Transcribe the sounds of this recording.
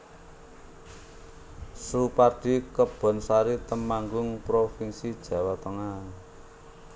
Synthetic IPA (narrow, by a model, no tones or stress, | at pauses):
suparɖ̥i̤kəb̥ɔ̤nsaɾit̪əmaŋɡʊŋpɾofinsid̥ʒ̥ä̤wat̪əŋa